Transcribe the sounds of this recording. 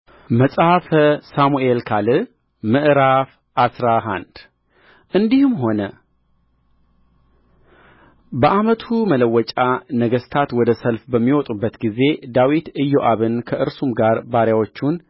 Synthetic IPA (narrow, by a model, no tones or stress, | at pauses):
məsʼhafəsamuʔelkʰalɨ | mɨʔɾaf | ʔasɾaɦa̰nd̪ | ʔɨnd̪ihɨmɦo̞nə | bəʔamət̪ʰumələwːɔt͡ʃʼanəɡəst̪ʰat̪wɔd̪əsəlfbəmːiwɔt̪ʼubːət̪ɡize̞d̪awit̪ɨjːoʔaβɨnkʰəʔɨɾsumɡaɾbaɾjawot͡ʃːun